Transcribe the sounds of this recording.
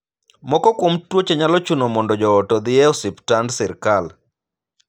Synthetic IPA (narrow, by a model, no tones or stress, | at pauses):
mɔkɔkomtwot͡ʃeɲalɔt͡ʃunomɔndɔd͡ʒɔːtɔd̪ɪɛɔsɪptandsɪɾkal